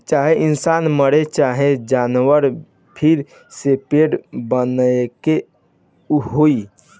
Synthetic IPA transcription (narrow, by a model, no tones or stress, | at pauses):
t͡ʃaɦeʔinsanməɽet͡ʃaɦed͡ʒanʋəɾ | pʰiɾ | sepeɖbənəke | uɦoi